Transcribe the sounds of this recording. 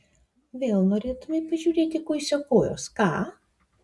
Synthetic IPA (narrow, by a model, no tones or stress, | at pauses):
ʋʲeːlˠnoːɾʲeːt̪ʊmʲɛɪpɐʒʲuːɾʲeːt̪ʲɪkɔɪsʲɛkoːjo̰ːskɑː